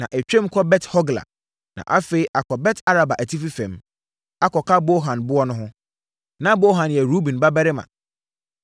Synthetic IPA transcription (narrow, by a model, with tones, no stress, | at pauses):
nã̰˨ʔɛ˨t͡ɕᶣɛ̃˦m˦kʰɔ˦bɛ˦thɔ˦ɡla̰˨ | nã̰˨ʔa˦fe˨i˦ʔa˨kʰɔ˨bɛ˦tʰa˦ɾa˨ba˨ʔæ˨tʰi˦fi˦fɛ̰̃˨m | a˦kɔ˨kʰa˦bo˦ɦã˨nbʊ˦ɔ˦nʊ̃˦ɦʊ̃˦ | nã˦bo˦ɦã˨njɛ˨ɾu˦bĩ˨nba˦bɛ˦ɾɪ˦mã̰˨